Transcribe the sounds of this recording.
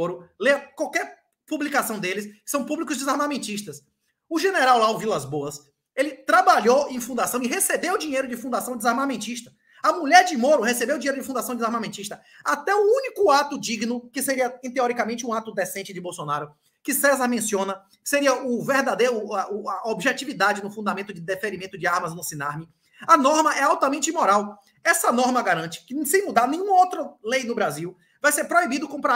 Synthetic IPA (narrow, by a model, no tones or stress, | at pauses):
oɾʊleɐkwawkɛɾ | publikasɐ̃w̃d̪elɪskɪ̥sɐ̃w̃publikʊzd͡ʒɪzaɾmamẽnt͡ʃiʃt̪ɐs | ʊʒeneɾawlawvilazboɐs | elɪt̪ɾabaʎowẽj̃fũd̪asɐ̃w̃ɪɦesebewd͡ʒĩɲejɾʊd͡ʒɪfũnd̪asɐ̃w̃d͡ʒ̪ɪzaɾmamẽt͡ʃiʃt̪ɐ̥ | ɐmuʎɛɾd͡ʒɪmoɾʊɦesebewdd͡ʒĩɲejɾʊd͡ʒɪfũd̪asɐ̃w̃d͡ʒ̪ɪzaɾmamẽnt͡ʃiʃt̪ɐ | at̪ɛuũnikʊat̪ʊd͡ʒiɡnʊkɪseɾiɐẽt̪eɔɾikamẽnt͡ʃɪũat̪ʊd̪ɛsẽnt͡ʃɪd͡ʒɪbowsonaɾʊ | kɪsɛzɐɾmẽsiõnɐ | kɪ̥seɾiɐʔʊveɾd̪ad̪ejɾʊɐʊɐobiʒɛt͡ʃivid̪ad͡ʒɪnʊfũd̪amẽnt̪ʊd͡ʒɪd̪efeɾimẽnt̪ʊd͡ʒɪaɾmɐznʊsĩnaɾmi | ɐnɔɾmɐʔɛawt̪ɐmẽt͡ʃɪimɔɾaw | ɛsɐnɔɾmɐɡaɾɐ̃nt͡ʃɪ̥kɪsẽj̃mud̪aɾnẽj̃ɲũmɐowt̪ɾɐlejnʊbɾaziw | vajseɾpɾoibid̪ʊkõpɾa